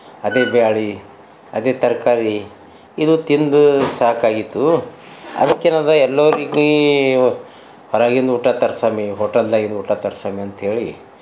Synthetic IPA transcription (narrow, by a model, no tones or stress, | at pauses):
ɐd̪eːbejaːɭi | ɐd̪eːt̪ɐɾkaːɾi | id̪ut̪ind̪usaːkaːɡit̪ːu | ɐ̰d̪ɐkːeːnad̪ɐɛlːoʋɾiɡe | hɔɾaːɡiond̪uuʈːaːt̪ɐɾsaːmiɦoːʈɐlːaːɡiɾond̪uːʈːaːt̪ɐɾsaːmiɐnt̪ɐɦe̞ːɭi